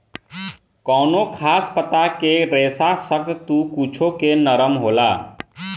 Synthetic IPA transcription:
kɔʊnokʰaspət̪akeɾesasəɾt̪t̪ukut͡ʃʰokenəɾəmɦola

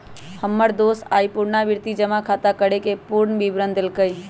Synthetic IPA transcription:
həmːəɾd̪osaːipuɾnabiɾt̪id͡ʒəmakʰat̪akəɽekepuɾɳbibɾənd̪elkəj

